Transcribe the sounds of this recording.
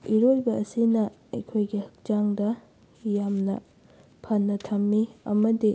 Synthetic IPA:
iɾojbɐɐsinɐ | ɐjkʰojɡihɐk̚d͡ʒaŋdɐ | jamnɐ̰ | pʰɐnːɐtʰɐmːiɐ̰mɐdi

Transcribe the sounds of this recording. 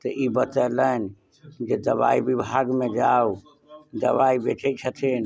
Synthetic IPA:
t̪əʔibət̪ələn | d͡ʒed̪əba̰ibibʱaɡmẽd͡ʒau | d̪ə̰ʋaibet͡ʃət͡ʃʰət̪ʰin

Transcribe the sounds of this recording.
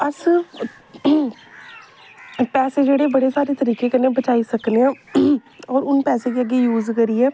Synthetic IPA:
əɾs | pɛːsed͡ʒeːɽebəɽesaːɾeːt̪əɾiːkẽkənẽbət͡ʃaːisəkneɛ̃ː | ɔːɾʊnpɛːsekiəɡːijuːzkəɾiɛː

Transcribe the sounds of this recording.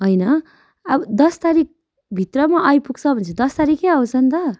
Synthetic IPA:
ɦʌjnʌ | ʌbʌd̪ʌst̪aɾik̚ | bʱit̪rʌmaʔʌjpuɡ̚t͡sʰʌbʱʌnt͡sʰed̪ʌst̪aɾikeaw̃t͡sʰʌnt̪ʌ

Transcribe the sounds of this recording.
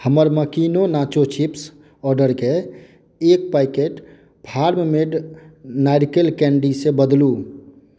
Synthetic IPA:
həməɾməkinonat͡ʃot͡ʃʰips | ɔɾɖəɾkeː | k̚paɪkeʈ | pʰaɾmmeɖnaɪɾkelkɛ̃ɳɖisebəd̪lu

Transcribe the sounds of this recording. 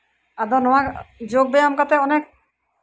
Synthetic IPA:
ad̪ɔnɔwakd͡ʑoɡ̚beamkat̪eɔnek̚

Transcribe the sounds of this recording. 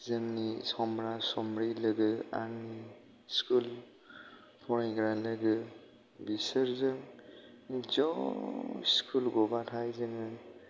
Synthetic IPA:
zɯŋnisɔmɾasɔmɾilɯɡɯa̰ɾni | skʰul | pʰɔɾajɡɾalɯɡɯ | bisɯɾzɯŋ | zɔ | ḭskʰulɡɔbatʰajzɯŋɯ

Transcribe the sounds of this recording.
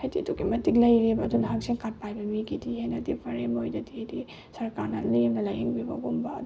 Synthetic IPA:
hajdituɡimɐtik̚lɐjɾebɐːdunɐɦak̚siŋkat̚pajbɐmiɡidihenɐdipʰɐɾemojdɐdihedi | sɐɾkaɾnɐ̰limnɐlajeŋbibɐ̰ɡumbɐd

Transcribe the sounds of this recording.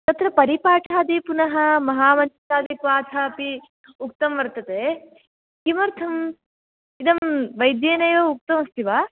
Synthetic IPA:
t̪ɐt̪ɾɐpɐɾipaːʈʰaːd̪ipunɐɦɐmɐɦaːmɐnt͡ʃɐ̥taːd̪ipʋaːt̪ʰaːpi | uk̚t̪ɐmʋɐɾt̪ɐt̪eː | kimɐɾt̪ʰɐm | id̪ɐmʋɐjd̪jeːnɐjoːuk̚t̪ɐmɐst̪iʋaː

